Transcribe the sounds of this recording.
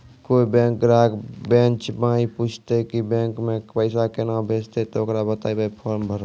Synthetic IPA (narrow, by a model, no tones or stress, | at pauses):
koːibɛ̃ːŋkɾaːɡbɛ̃nt͡ʃbãːipuːt͡ʃʰt̪ekibɛ̃ːŋkmẽpəɪsakenabʱeːd͡ʒt̪et̪ookɾabət̪aːibaipʰɔːɾmbʱəɾ